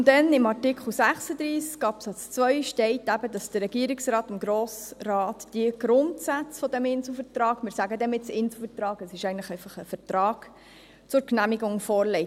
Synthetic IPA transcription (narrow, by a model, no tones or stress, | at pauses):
ʊndɛnɪmɑrtɪkχl̩ˠsæχsəd̪ɾiːskːɑːpsɑt͡st͡svœʏʃtɛɪtæbədɑsd̥əɾɛɡiəɾɪksrɑːtɪmɡɾoːsrɑːtd̥iəɡ̥ɾʊntsæt͡sfɔd̥ɛmɪnsl̩fəɾtrɑːɡ̥mɪːɾsæɡədɛmɪt͡sɪnsl̩ˠfətrɑːɡɛsɪʃɛɪɡntləχɛɪfɑχəfətrɑːɡ̥ | t͡sʊɾknæmiɡʊŋfɔːɾlɛɪt